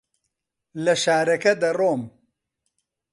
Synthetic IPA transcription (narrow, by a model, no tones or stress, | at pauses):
lɐʃaːɾɐkɐd̪ɐroːm